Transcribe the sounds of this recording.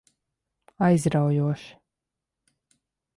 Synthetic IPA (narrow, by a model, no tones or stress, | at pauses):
ajzɾawjuɔʃi̥